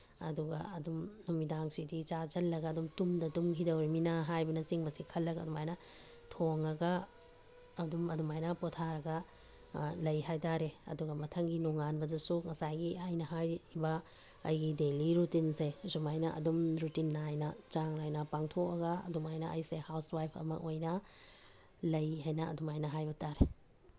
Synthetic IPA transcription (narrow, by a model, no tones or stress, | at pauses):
ɐduɡɐ̰ɐdumnumidaŋsidit͡ʃad͡ʒɐlːɐɡɐːdumtumdɐdumɦidɐwɾiminaɦajbɐnɐsiŋbɐsikʰɐlːɐɡɐ̰dumajnɐ | tʰoŋɐɡɐː | dumɐdumajnɐpɔtʰaɾɐɡɐ | lɐjɦajtaɾeɐ̰duɡɐmɐtʰɐŋɡinɔŋanbɐzɐsuŋɐsajɡiajnɐɦajbɐ̰ː | jɡideliɾutinsesumajnɐʔɐ̰dumɾutinːajnɐt͡ʃaŋnajnɐpaŋtʰokɐɡɐɐ̰dumajnɐʔɐjsehawswajpʰɐ̰mɐ̰kojnɐ | lɐjɦajnɐɐ̰dumajnɐɦajbɐtaɾe